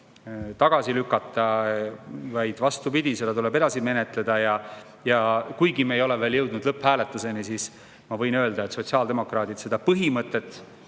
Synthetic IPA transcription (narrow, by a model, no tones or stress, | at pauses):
t̪ɑɡ̥ɑsilykːˑɑt̪ːˑɑ | vɑjd̪̥vɑst̪upid̪̥ised̪ɑt̪ule̞be̞d̪ɑsime̞net̪ˑle̞d̪̥ɑjɑ | jɑkujɡimeejo̞leveːljɤwd̪nud̪lɤphæːle̞t̪ːˑuse̞nisiːs | mɑvɤ̞jnø̞ːld̪ɑet̪so̞t̪siɑld̪e̞mo̞krɑːd̪̥id̪̥se̞d̪ɑpɤɦimɤt̪ːˑe̞t̪ːˑ